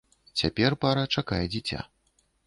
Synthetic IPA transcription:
t͡sʲapʲɛrpaɾɐt͡ʂakajɛd͡zʲit͡sʲa̰

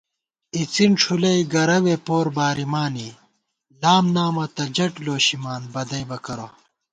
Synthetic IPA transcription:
it͡sinʈ͡ʂʰulɐiɡɐɾɐwepoːɾbaːɾimaːni | laːmnaːmɐt̪ɐd͡ʑɐʈloːɕimaːnbɐd̪ɐjbɐkɐɾo

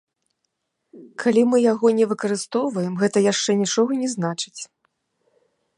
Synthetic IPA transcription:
kʰalʲimɨjaɣɔnʲɛvɨkɐɾɨst̪ɔwvɐjɛmɣɛt̪ɐjaʂt͡ʂɛnʲit͡ʂɔɣɐnʲɛznat͡ʂɨ̥t͡sʲ

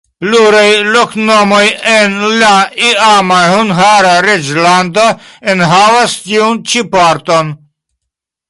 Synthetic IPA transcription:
pluɾajloknomojenlaiamahunɦaɾaɾed͡ʒland̪oenɦavast̪iunt͡ʃipaɾt̪on

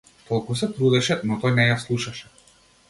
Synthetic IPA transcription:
t̪ɔlˠkusɛt̪ɾud̪ɛʃɛnɔt̪ɔjnɛjaslˠuʃaʃɛ̥

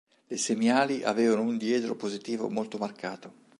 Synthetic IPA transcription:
lesemaːliʔa̰veːvanound̪jɛːt̪ɾopozit̪iːvo̰molt̪omarkaːt̪o

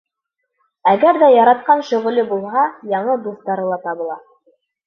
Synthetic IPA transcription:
æɡæɾðæjɑɾɑt̪̚qɑnʃɵ̆ʁɵ̆lɵbulˠɦɑjɑɴɤd̪uθt̪ɑɾɤ̆lˠɑt̪ɑβɤ̆lˠɑ

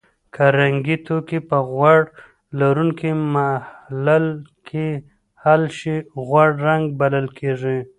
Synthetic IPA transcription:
kʰaɾaŋɡit̪ʰokipəɣwaɽ | laɾuŋkimahlalkʰi | halʃiɣwaɽɾaŋɡ̚baləlkʰeʐi

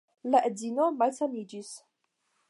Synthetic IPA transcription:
laʔezinomalsamid͡ʒis

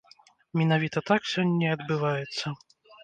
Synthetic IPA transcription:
mʲin̪avʲit̪ɐt̪aksʲɔnʲːɐɐd̪bɨvajɛt̪sːɐ

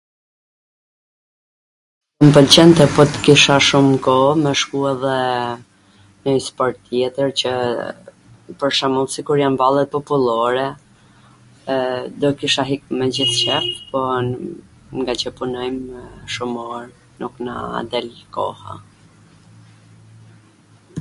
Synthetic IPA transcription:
əmpəlt͡ɕɛnt̪ɛpɔt̪ə̥kiʃaʃumkɔmɛʃkuɛðɛ | nəjspɔɾt̪ːjɛt̪əɾt͡ɕə | pəɾʃamɔlˠsikuɾjanbalˠɛt̪̚pɔpulˠɔɾɛ | d̪ɔkiʃaɦik̚mɛd͡ʑiθt͡ɕɛft̪pɔ | ŋɡat͡ɕəpunɔjmʃumɔɾ | nuknə̰a̰d̪ɛlkɔ̰ha̰

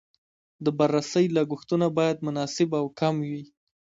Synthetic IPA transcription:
d̪əbaɾːasəjlaɡuxt̪unabɑjad̪mʊnɑsɪbawkamwi

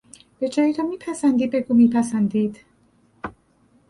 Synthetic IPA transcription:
b̥ed͡ʒɒːjit̪ʰomiːpʰæsænd̪iːd̪̚be̞ɡuːmiːpʰæsænd̪iːd̪̥

